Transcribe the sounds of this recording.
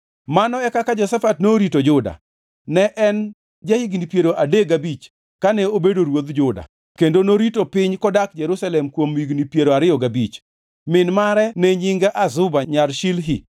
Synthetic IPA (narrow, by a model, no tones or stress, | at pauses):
manɔɛkakad͡ʒɔsafatnoɾitod͡ʒʊda̰ | nɛʔɛn | d͡ʒahiɡnipjeɾoʔadeɡabit͡ʃ | kanɛobedoɾwod̪d͡ʒʊda̰ | kendonoɾitopɪɲkɔdakd͡ʒɛɾusalɛmkwomiɡnipjeɾoaɾɪjɔɡabit͡ʃ | mɪnmaɾɛnɛɲɪŋɡaʔazʊbaɲalʃilɦi